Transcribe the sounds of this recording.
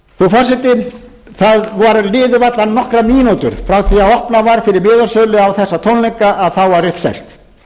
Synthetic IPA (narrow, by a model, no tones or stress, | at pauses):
θufarsɛt̪ɪ | θaðvaɾlɪːðʏvat̪lannɔhkɾamiːnoːwt̪ʏ̰ɾ̥fɾawθiaɔhpnavaɾ̥fɪɾɪɾmɪːðɔ̥sœlʏawθɛsːat̪ʰownleŋkaʔaðθawvaɾʏhpsɛ̰r̥t̪